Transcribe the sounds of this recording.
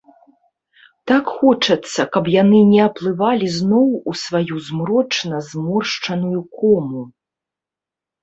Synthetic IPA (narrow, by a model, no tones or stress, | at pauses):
t̪akxɔt͡ʂɐt̪sːɐkɐpjanɨnʲɛɐplˠɨvalʲiznɔwusvajuzmɾɔt͡ʂnɐzmɔrʂt͡ʂɐnujukɔmu